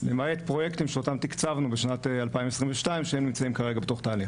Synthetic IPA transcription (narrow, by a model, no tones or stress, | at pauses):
memajet̪pʁo̞jekt̪imʃeo̞t̪amt̪ikt͡savnubeʃnat̪ealpaimesʁimveʃtaimʃeemnimt͡saimkaʁe̞ɡabe̞t̪o̞χt̪aːliχ